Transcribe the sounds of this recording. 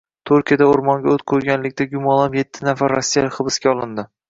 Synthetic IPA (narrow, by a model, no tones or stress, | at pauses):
t̪ʰʊɾkʲijad̪aoɾmɒŋɡʲaot̪̚kqʰoɾɡʲanlɪkʲt̪aɡʲʊmɒlˠamje̞t̪ʰːɪnafaɾːɒsːijalɪkʲχɨbɪskʲaɒlˠɪnd̪ɪ